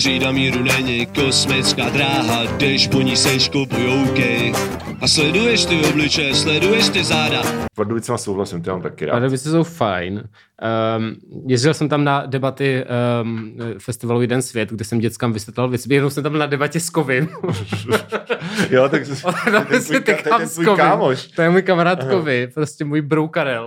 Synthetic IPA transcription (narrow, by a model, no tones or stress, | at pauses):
riːdamiːɾunɛɲɪkosmɪt͡skaːd̪ɾaːɦadɛʃpoɲisɛjʃkopojowkɛjʔaslɛdujɛʃt̪ɪoblɪt͡ʃɛjɛslɛdujɛʃt̪ɪzaːdapaɾdovɪt͡smasowɦlasɪmt̪omaːmt̪akɪɾa̰aɾdovɪt͡sɛsowfajn | jɛzd͡ʒɪlsɛmt̪amnadɛbat̪ɪ | fɛst̪ɪvalujɛdɛnsvjɛt̪ɡdɛsɛmɟɛt͡skamvɪsvjɛt̪lalvjɛt͡sɪbjɛdnowsɛmt̪ambɪlnadɛbacɛskovɪn | jot̪akot̪aɛsɛt̪ɛkasukovaɪːmoʃt̪ojɛmujkamaɾaːt̪kovɪpɾoscɛmuːjbɾowkaɾɛl